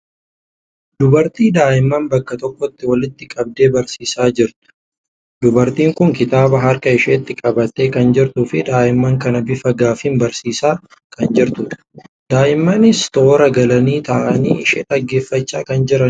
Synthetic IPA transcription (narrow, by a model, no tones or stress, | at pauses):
d̪ʊbɐɾt̪iːd̪aːʔɪmːaːnbɐkːɐt̪ɔkːɔt̪ːɪwɐlɪt̪ːɪkʼɐb̚d̪e̞ːbɐɾsiːsaːd͡ʒɪɾt̪ʊ̥ | d̪ʊbɐɾt̪iːŋkʊŋkɪt̪aːbɐɦɐɾkɐɪʃeːt̪ːɪkʼɐbɐt̪ːe̞ːkɐnd͡ʒɪɾt̪uːfɪd̪aːʔɪmːɐŋkɐnɐbɪfɐɡaːfimbɐɾsiːsaː | kɐnd͡ʒɪɾt̪ʊᶑ̥ | d̪aːʔɪmːaːnɪst̪o̞ːɾɐɡɐlɐniːt̪ɐʔɐnḭːɪʃeːᶑɐɡːe̞ːfːɐt͡ʃːaːkɐnd͡ʒɪɾɐn